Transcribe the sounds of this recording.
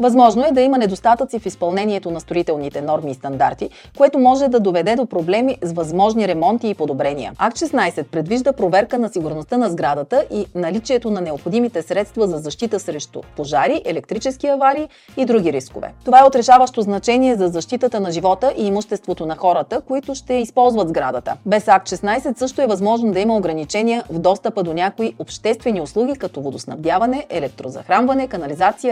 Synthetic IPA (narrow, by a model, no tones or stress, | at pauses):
vɐzmɔʒnoɛd̪ɐimɐnɛd̪ost̪at̪ət̪sifispɐlˠnɛniɛt̪onɐst̪ɾoit̪ɛlˠnit̪ɛnɔɾmiːst̪ɐnd̪a̰ɾt̪i | koɛt̪omɔʒɛd̪ɐd̪ovɛd̪ɛd̪opɾoblɛmizvɐzmɔʒniɾɛmɔnt̪iːpod̪obɾɛnʲḭə̰akt̪ʃɛsnajsɛt̪̚pɾɛd̪viʒd̪əpɾovɛɾkənɐsiɡuɾnost̪ənɐzɡɾad̪ət̪əʔinɐlit͡ʃiɛt̪onɐnɛopxod̪imit̪ɛsɾɛt̪st̪vɐzɐzɐʃt̪it̪əsɾɛʃt̪ʊ̰poʒaɾiʔɛlɛk̚t̪ɾit͡ʃɛskiɐvaɾiː | id̪ɾuɡʲiɾisko̰vɛ̰t̪ovaɛot̪ɾɛʃavəʃt̪oznɐt͡ʃɛniɛzɐzɐʃt̪it̪ət̪ənɐʒivɔt̪əʔiːmʊʃt̪ɛst̪vot̪onɐxɔɾət̪əkoit̪ʊʃt̪ɛispɔlˠzvɐtd̪zɡɾad̪ət̪ə̰bɛsak̚t̪ʃɛsnajsɛt̪sɤʃt̪oɛvɐzmɔʒnod̪ɐimɐoɡɾɐnit͡ʃɛniəvd̪ɔst̪əpəd̪onʲakoiʔopʃt̪ɛst̪vɛnioslˠuɡ̟ikɐt̪ɔvod̪osnɐ̰vd̪javɐnɛʔɛlɛk̚t̪ɾozɐ̰xɾanvɐnɛkɐnɐlizat̪sijə